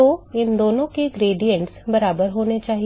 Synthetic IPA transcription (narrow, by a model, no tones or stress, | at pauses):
oɪnd̪oːnõkeɡɾeːɖijə̃ɳʈsbɐɾaːbəɾɦoːnet͡ʃaːɦi